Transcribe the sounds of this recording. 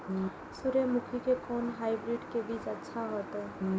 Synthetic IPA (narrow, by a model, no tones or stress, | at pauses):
sʊɾemʊkʰikekɔːnɦaːibɾiɖkebiːt͡ʃɐtːʃʰaɦoːt̪ɦɛ